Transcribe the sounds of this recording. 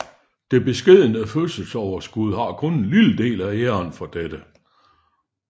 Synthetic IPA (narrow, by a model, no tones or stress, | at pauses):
d̥e̝b̥e̝sɡ̥e̝ð̰ˠənəfølsəlsɒʊɐsɡ̥uð̞ˠɦɑ̈kʰɔ̽nenliləd̥e̝̰ːlæeɐnfɒ̽d̥ed̥ə